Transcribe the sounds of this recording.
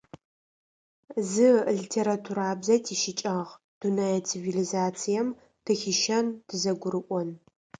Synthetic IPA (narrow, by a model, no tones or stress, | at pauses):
zɨɮitʰeɾatʰuɾaːbzɐtʰiʃɪt͡ʃʼɐʁ | d̥unɐjɐt͡sʰivilizaːt͡sʰijɛm | d̥ɨxɪʃɐnd̥ʰɨzɐɡʷʊɾɨʔʷʼɔn